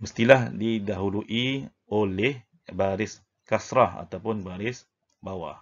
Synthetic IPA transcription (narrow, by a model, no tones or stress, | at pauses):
məst̪ilahdidaɦuluʔi | olɛh | baɾɪs | kasɾaa̰t̪awpʊnbaɾɪs | bawa̰